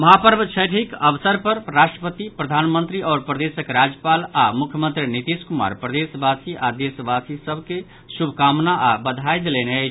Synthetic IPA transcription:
məɦapəɾbt͡ʃʰəjʈʰikəbəsəɾpəɾɾasʈɾəpət̪ipɾəd̪ʱanmənt̪ɾiɔːɾpɾəd̪esəkɾad͡ʒjəpalamukʰjəmə̃nt̪ɾinit̪iskuma̰ɾpɾəd̪esbasiʔad̪esbasisəbʱke | subʱkamnaʔabəd̪ʱajd̪elene

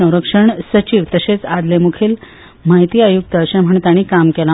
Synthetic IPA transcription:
ə̃w̃ɾəkʂəɳsət͡ɕiːʋt̪əɕet͡sad̪lemukʰiːl | maɦit̪iːajuk̚t̪əːɕẽm̤əɳt̪aɽ̃iːkamkela

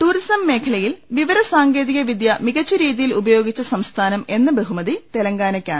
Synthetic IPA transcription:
ʈuɾisɐmːe̞ːkʰɐɭɐjilʋiʋɐɾɐsaːŋɡe̞ːðiɣɐʋid̪jɐmiɣɐt͡ɕːuɾiːðijilubɐjo̞ːɡit͡ɕːɐsɐmst̪ʰaːnɐme̞nːɨbeɦumɐðit̪elɐŋɡaːnɐkʲːaːɳ

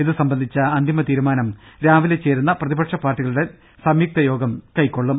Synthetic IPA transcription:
iðɨsɐmbɐnd̪ʱit͡ɕːɐɐnd̪ʱimɐt̪iːɾumaːnɐmɾaːʋilet͡ɕːe̞ːɾunːɐprɐðibɐʈʂɐpaːrʈːiɣɐɭuɽe̞ | sɐmjuk̚t̪ɐjo̞ːɡɐmkɐjkːo̞ɭːum

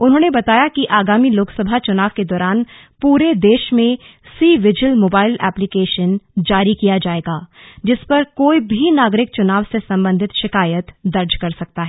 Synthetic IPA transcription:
ʊnɦõːnebɐt̪aːjakiʔaːɡaːmiloːksəbʱat͡ʃʊnaːʋked̪ɔːɾaːn | puːɾed̪eːʃmẽsiːʋɪd͡ʒəlmoːbaːɪlɛ̰ːplɪkeːʃənd͡ʒaːɾikijad͡ʒaːeːɡaːd͡ʒɪspɐɾkoːibʱinaːɡɾɪkt͡ʃʊnaːʋsesɐ̃mbə̃nd̪ʱɪt̪ʃɪkaːjət̪d̪ɐɾd͡ʒkɐɾsɐk̚t̪aɦɛː

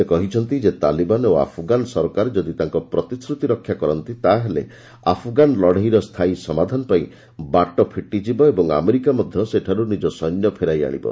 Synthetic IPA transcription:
ekɔɦit͡ʃʰɔnt̪id͡ʒet̪a̰libanoa̰pʰɡanɔsɔɾɔkaɾed͡ʒɔd̪it̪aŋkɔpɾɔt̪isɾut̪iɾɔkʰːjakɔɾɔnt̪it̪aɦelḛ | a̰pʰɔɡanlɔɽ̤eɦiɾɔst̪ʰaisɔmad̪ʱanɔpaĩ | baʈɔpʰiʈːid͡ʒibɔebɔŋa̰meɾikamɔd̪ʱjɔseʈʰaɾunid͡ʒɔsɔjnjɔpʰeɾaja̰ɽ̃ḭbɔ̰

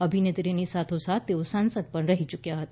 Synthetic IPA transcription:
əbʱinet̪ɾenisat̪ʰosat̪ːeʋsãnsəd̪pəɳɾəɦit͡ʃukjaɦət̪

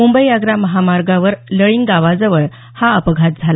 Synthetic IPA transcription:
mumbəjaɡɾaməɦamaɾɡaʋəɾləɭiŋɡɡaʋad͡zəʋəɭ | haəpəɡʱat̪̚d͡zʱala

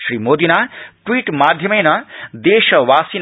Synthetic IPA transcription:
sɾimod̪inaʈwiʈmad̪ʱjʌmʌjnʌd̪eʃʌwasin

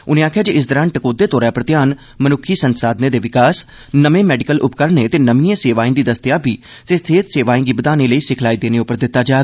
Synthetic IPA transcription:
ʊnẽːaːkʰjaːd͡ʒeːɪs̬d̪əɾaːnʈəkoːd̪eːt̪oːɾɛːpɾət̪jaːn | mənʊkʰiːsənsaːd̪neːd̪eːʋɪkaːs | nəmẽːmɛːɖɪkəlʔʊpkəɾneːt̪eːnəmiãːseːʋaːĩːd̪iːd̪əst̪ɪjaːbʱiː | t̪eːst̪ʰeːt̪seːʋaːĩːɡiːbəd̪aːnẽːləiːsɪkʰlaːiːd̪eːnẽːʊpəɾd̪ɪt̪ːaːd͡ʒaːe

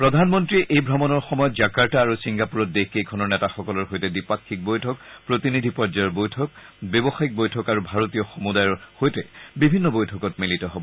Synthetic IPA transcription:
pɹɔdʱanmɔntɹiʔejbʱɹɔmɔnɔɹxɔmɔjɔtd͡ʒakaɹtaːɹusiŋɡapuɹɔt̚dexkejkʰɔnɔɹnɛtaxɔkɔlɔɹxojtɛdipakʰːik̚bojtʰɔkpɹotinidʱipɔɹd͡ʒajɔɹbojtʰɔk̚bjɔbɔxajik̚bojtʰɔkaɹubʱaɹotijɔxɔmudajɔɹxojtɛbibʱinːɔbojtʰɔkɔt̚militɔɦɔbɔ

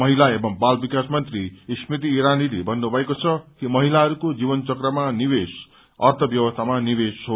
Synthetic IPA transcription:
mʌɦilaebʌmbalbikasmʌnt̪rismit̪̬iːɾanilibʱʌnːobʱʌekot͡sʰʌkimʌɦilaɦʌɾukod͡zibʌnt͡sʌkrʌmanibes | ʌrt̪ʰʌbjʌwʌst̪ʰamanibesɦo

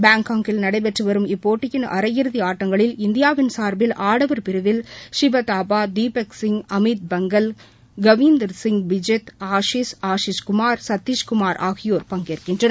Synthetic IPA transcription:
baːŋkaːŋkɪlnɐɽɐɪpɛʈrɯʋɐɾɯmɪpːoːʈːɪjɪnɐ̰ɾɐjɪɾɯðiaːʈːɐŋɡɐɭɪlɪnd̪ɪjaːʋɪnsaːɾbɪlʔaːɽɐʋɐɾpɪɾɯʋɪlʂɪʋɐt̪aːpaːd̪iːpɛksɪŋɡɐmit̪̚bɐŋɡɐl | ɡɐʋiːnd̪ɐɾsɪŋɡbɪd͡ʒɛt̪aːʂiːsaːʂiskʊmaːɾsɐt̪ːiːʃkʊmaːɾʔa̰ːɣɪjoːɾpɐŋɡeːrkɪndrɐn

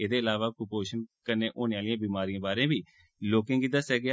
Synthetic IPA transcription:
eːd̪eːəlaːʋaːkʊpoːʃənkəneːʔoːneːaːlijãːbiːmaːɾijãːbaːɾẽːbiː | loːkɪ̃ŋɡiːd̪əsɛːɡɪː

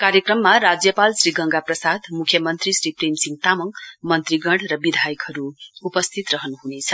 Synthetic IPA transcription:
kaɾjʌkrʌmːarad͡zjʌpalsriɡʌŋɡaprʌsad̪mukʰːjʌmʌnt̪risripremsiŋt̪amʌŋmʌnt̪riɡʌɽrʌbid̪ʱajʌkhʌɾuːpʌst̪ʰit̪rʌɦʌnɦunet͡sʰʌ

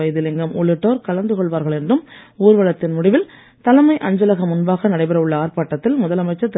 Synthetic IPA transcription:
ɐjɐðɯlɪŋɡɐmɔɭːɯʈːoːɾkɐɭɐnd̪ɯkɔɭʋaːɾɣɐɭɛndrɯmuːɾʋɐɭɐt̪ːɪnmʊɽɪʋɪl | t̪ɐlɐmɐɪʔɐɲd͡ʒɐlɐɣɐmʊnbaːɣɐnɐɽɐɪpɐɾɐɯɭːɐaːrpaːʈːɐt̪ːɪlmʊðɐlɐmɐɪt͡ʃːɐt̪ː

